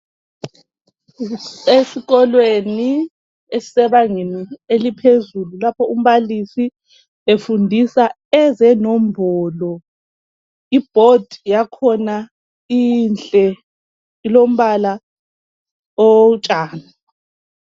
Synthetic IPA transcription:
esiɣɔlweni | esi̥sɛβaŋenielipʰezululapʰɔum̩βalisi | efundʱisa | ɛzɛnom̩bʱɔːlɔ | ib̥ʱod̥ʱijakʰɔna | int͡ɬʼɛ | ilom̩βala | ɔt͡ʃʼaːna

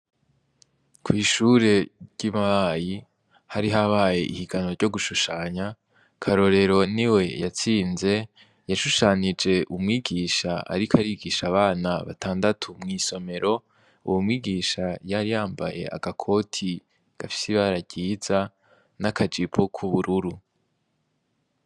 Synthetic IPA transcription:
kʰwiːʃuɾe̞ɾɟimaaji | haɾiɦaβaːje̞̰ʔḭhiɡano̞ɾɟo̞ɡuʃuʃaːɲa | kʰaɾo̞ɾe̞ɾo̞niwe̞jat͡siːnze̞ | jaʃuʃaːɲid͡ʒe̞ʔumŋiːɡiːʃaa̰ɾikʰaɾiɡiʃaβaːnaβa̰tʰaːndatʰumŋiːso̞me̞ɾo̞ | ṵwumŋiːɡiːʃajaɾijaːmba̰je̞̰a̰ɡ̥akʰo̞tʰi | ɡ̥afi̥siβaɾaɟiːza | nakʰad͡ʒipʰokʰuβuɾuɾu

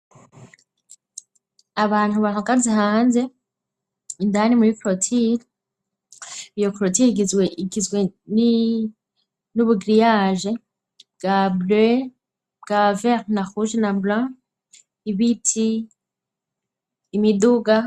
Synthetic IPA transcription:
aβaːn̥huβahakazihaːnze̞ | indanimuɾikɾotʰin | ijokɾotiiɡizweiɡizɡweni | nuβuɡɾijaːʒe | ɡ̥able | ɡ̥aveɾnaxuʒenablã | iβitʰi | miduɡa

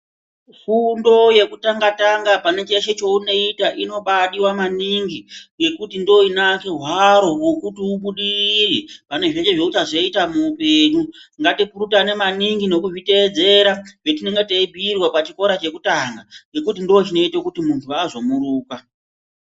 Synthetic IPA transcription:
fundo̞je̞kutaŋɡataŋɡapane̞t͡ʃeʃe̞t͡ʃo̞uno̞itaʔino̞ɓaɗiwamaniŋɡije̞kutindoinake̞ɦwaɾo̞wokutiuɓuɗiripane̞ʐe̞t͡ʃeʐe̞ut͡ʃaʐeitamuːpe̞ːɲuŋɡatipuɾutane̞maniŋɡino̞kuʐite̞ːd͡ze̞ɾaʐetine̞ŋɡeateibʱiːrwapat͡ʃiko̞ɾat͡ʃe̞kutaŋɡaje̞kut̬indiot͡ʃino̞itokutimuntʰuazo̞muɾuːka

